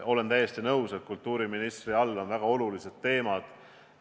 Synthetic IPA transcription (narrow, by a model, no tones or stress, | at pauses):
ʔo̞le̞nt̪æjːe̞st̪inɤwset̪̚kult̪ːˑuːɾiminist̪riɑlːo̞nvæɡ̥ɑo̞lulise̞d̪̥t̪ːe̞ːmɑd̪̥